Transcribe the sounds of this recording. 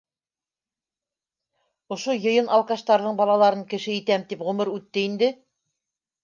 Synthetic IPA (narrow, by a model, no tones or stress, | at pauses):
ŏʃojɤ̆jɤnɑlˠkɑʃt̪ɑɾðɤɴbɑlˠɑlˠɑɾɤɴkɘ̆ʃɘit̪æmt̪ipʁɵmɤɾʉt̪ːɘind̪ɘ